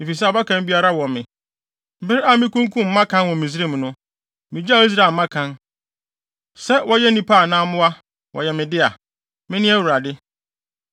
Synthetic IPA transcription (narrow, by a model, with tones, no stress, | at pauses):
mɪ̃˨fi˨s̬ɛ˦ɔ˨ba˦kʰã˦m˦bi˦a˦ɾa˦wɔ̃˨mɪ̃˨ | m˨bɪ˦ɾa˦mɪ̃˦kũ˦ŋkʰũ˦m̩˦mã˦kʰã˦nwɔ̃˨mĩ˨s̬ɪ˦ɾi˦m˨nʊ̃˦ | mɪ̃˨d͡ʑa˦˨˦i˦s̬ɾa˨mã˦kʰã˦n | sɛ˦wɔ˦jɛ˦nĩ˦pʰa˦˨nãː˦mʊ̃˦wa˦ | wʔɔ̰˨jɛ˨mɪ̃˨dɪ˦a˨ | mɪ̃˦nɪ̃˦æ˦wu˨ɾa˨dɪ˦